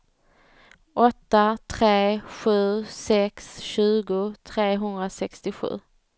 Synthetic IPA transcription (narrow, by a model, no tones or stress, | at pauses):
ʔɔt̪ːat̪ʰɾeːɧʉ̟ːsɛksɕʉ̟ːɡʊt̪ʰɾeːɦɵnd̪ɾasɛkst̪ɪɧʉ̟̰ː